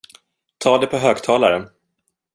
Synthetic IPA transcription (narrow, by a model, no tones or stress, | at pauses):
t̪ʰɑːd̪ɛpʰɔɦøːɡt̪ʰɑːlaɾə